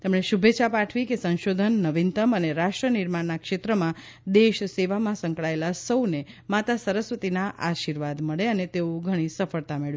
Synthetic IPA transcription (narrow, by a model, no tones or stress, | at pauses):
t̪emɳeʃubʱet͡ʃʰapaʈʰʋikesə̃nʃod̪ʱənːəʋint̪əməneɾaʃʈɾəniɾmaɳnakʃet̪ɾəmã | d̪eʃseʋamãsə̃ŋkɭaelasəwne | mat̪asəɾəsʋət̪inaʔaʃiɾʋad̪məɭeənet̪eoɡʱəɽ̃isəfəɭt̪ameɭj